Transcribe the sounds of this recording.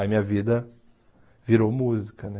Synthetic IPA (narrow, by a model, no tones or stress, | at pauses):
ɐmĩɲɐvid̪ɐ | viɾowmuzikɐnɛ